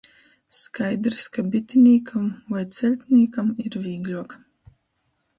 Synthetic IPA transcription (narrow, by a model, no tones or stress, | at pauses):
skajd̪ɾskabʲit̪ʲinʲiːkʰamvajt̪sɛlʲt̪ʲnʲiːkamiɾvʲiːɡlʲuɔk